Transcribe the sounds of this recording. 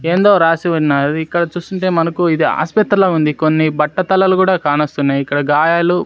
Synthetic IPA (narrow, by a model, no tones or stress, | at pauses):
e̞ːnd̪o̞ːɾaːsiʋɐnaːɐdiikːɐɽɐt͡ʃuːst̪uɳʈe̞ːmɐnɐkuid̪ia̰ːspɐt̪ːɾɐlɐːund̪ikonːibɐʈːɐt̪ɐlɐlukuːɽaːkaːnɐst̪unːaːjikːɐɽɐɡaːjaːlu